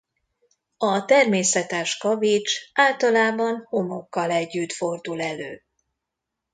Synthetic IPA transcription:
ɒt̪ɛrmeːsɛt̪ɛʃkɒvit͡ʃʔaːlt̪ɒlaːbɒnho̞mo̞kːɒlɛɟːyt̪fo̞rd̪ulɛløː

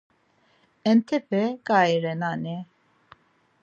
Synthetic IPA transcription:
ɛnt̪ʰɛpʰɛkʼaiɾɛnanɛ

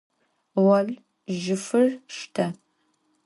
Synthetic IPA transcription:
ʁɐɮ | ʒɪfɨrʂtʰɐ

